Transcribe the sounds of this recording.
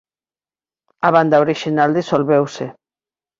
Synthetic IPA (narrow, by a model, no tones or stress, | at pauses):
aβand̪aoɾiʃinald̪isolβewse